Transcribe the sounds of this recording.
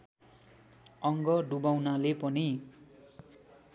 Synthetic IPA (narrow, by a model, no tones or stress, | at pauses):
ʌŋɡʌɖubawnalepʌni